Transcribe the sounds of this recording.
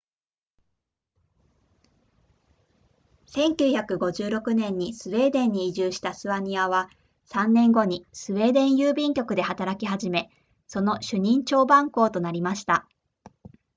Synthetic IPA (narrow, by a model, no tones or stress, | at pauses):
sẽ̞ŋkʲɨːçakɯ̟ɡo̞ʑɨːɾo̞kɯ̟nẽ̞ɲ̟ːisɨβe̞ːd̪ẽ̞ɲ̟ːiːʑɨːɕi̥t̪asɨβaɲ̟iaβa | sãnːẽ̞ŋɡo̞ɲ̟isɨβe̞ːd̪ẽ̞ɰ̃jɯːbʲĩŋkʲo̞kɯ̟d̪e̞hat̪aɾakʲiɦaʑime̞ | so̞no̞ɕɨɲ̟ĩɲt͡ɕo̞ːbãŋko̞ːt̪o̞naɾʲimaɕi̥t̪a